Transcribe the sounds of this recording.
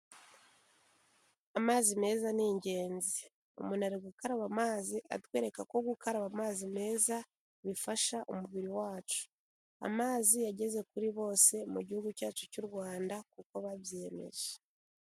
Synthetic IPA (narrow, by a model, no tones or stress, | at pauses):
amaːzime̞ːzaniːɲɟe̞ːnzi | o̰munaɾeɡukaɾaβamaːziʔa̰twe̞ːɾe̞kako̞ɡukaɾaβamaːzime̞ːza | βifaʃaʔomuβiɾiwaːt͡ʃu̥ | a̰maːziaɟe̞ze̞kuɾiβo̞ːse̞muɟihuɡucaːt͡ʃu̥cuɾɡwaːndakuko̞βaβjeːme̞̰ʒe̥